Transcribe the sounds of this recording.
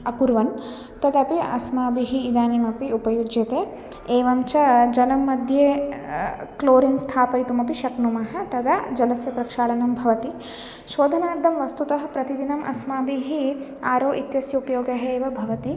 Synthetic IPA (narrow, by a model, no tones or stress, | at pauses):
ɐkuɾʋɐn | t̪ɐd̪ɐpiɐsmaːbiɦiːd̪aːnimɐpiupɐjud͡ʒjɐt̪eː | eːʋɐmt͡ʃɐd͡ʒɐlɐmːɐd̪ʱjeː | kloːɾinst̪ʰaːpɐjt̪umɐpiʃɐknumɐɦɐ̆t̪ɐd̪ɐd͡ʒɐlɐsjɐpɾɐkʂaːɭɐnɐmbʱɐʋɐt̪i | ʃoːd̪ʱɐnaːɾd̪ʱɐmʋɐst̪ut̪ɐɦɐ̆pɾɐt̪id̪inɐmʔɐ̰smaːbiɦiaːɾoːʔit̪jɐsjɐupɐjoːɡɐɦeːʋɐbʱɐʋɐt̪i